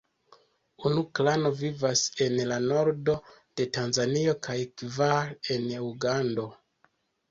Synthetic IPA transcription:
unuklano̞vivase̞nlano̞ɾdo̞ | d̥e̞tanzanio̞kʰajkvale̞nuɡando̞

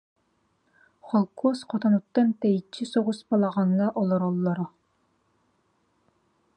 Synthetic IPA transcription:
χɑlˠkʰosqʰɑt̪ʰɑnut̪ːɛnt̪ɛjit͡ʃʰːisoʁʊspɑlˠɑʁɑŋːɑʔɔlˠɑɾɑlˠːɑɾɑ

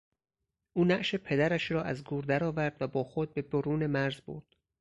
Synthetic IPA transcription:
ʔuːnæʔʃepʰe̞d̪æɾæʃɾɒːʔæzɡuːɾd̪æɾɒːvæɾd̪væbɒːxod̪̚be̞b̪oɾuːne̞mæɾzbo̰ɾd̪̥

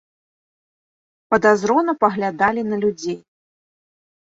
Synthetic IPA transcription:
pɐd̪azɾɔnɐpɐɣlʲad̪alʲinɐlʲud͡zʲej

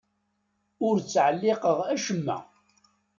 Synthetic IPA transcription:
ʊɾt͡sːʕəlːɪqəʁæʃəmːæ̰

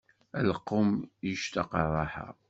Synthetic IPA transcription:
æləqːʊmjiʃt̪ɑqɑrˤɑħa̰

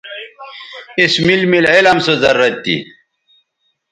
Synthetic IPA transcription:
ismilmilelɐmsozɐɾːɐt̪ːḭ

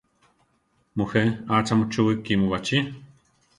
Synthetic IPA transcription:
muheaːt͡ʃamut͡ʃuwikːimuwat͡ʃi

